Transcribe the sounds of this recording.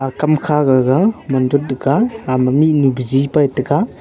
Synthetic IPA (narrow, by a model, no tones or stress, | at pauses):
akamkʰaɡaɡamandɔt̚ːɡaːmaminubzipajtɯɡa